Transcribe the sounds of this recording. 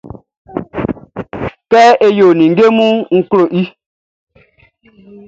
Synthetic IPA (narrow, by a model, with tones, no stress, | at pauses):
kɛ˦ʔe˦jo˨nĩ˨ŋ˦ɡe˦mũ˦ŋ̩˦klo˨ʔi˦